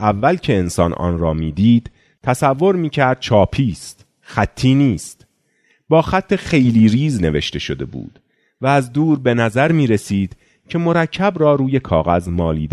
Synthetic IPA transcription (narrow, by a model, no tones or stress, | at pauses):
ʔævːælcʰe̞ensɒːnʔɒ̰ːnrɒːmiːd̪iːd̪̥ | t̪ʰæsævːo̞ɾmiːcʰæɾd̪̥̚t͡ʃʰɒːpʰiːst̪ | xæt̪ʰːiːniːst̪ | bɒːxæt̪ʰːe̞xe̞jliːɾiːzne̞ve̞ʃt̪e̞ʃo̞d̪e̞bṵːd̪̥ | væːzd̪uːɾbe̞næzæɾmiːɾesiːd̪̥ | cʰe̞mo̞ɾæcʰːæbɾɒːɾuːje̞kʰɒːɣæzmɒːlḭːd̪e